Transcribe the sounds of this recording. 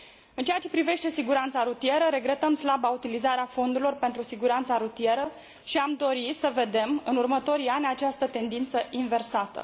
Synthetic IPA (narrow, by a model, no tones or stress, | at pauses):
ɨnt͡ʃejat͡ʃe̞pɾive̞ʃt̪e̞siɡuɾant̪saɾut̪ije̞ɾəɾe̞ɡɾe̞t̪əmslabaut̪ilizaɾeafo̞nd̪uɾilo̞rpe̞nt̪ɾusiɡuɾant̪saɾut̪ije̞ɾə | ʃiamd̪o̞ɾisəve̞d̪e̞mɨnurmət̪o̞ɾianʲat͡ʃast̪ət̪e̞nd̪int̪səʔinve̞rsat̪ə̰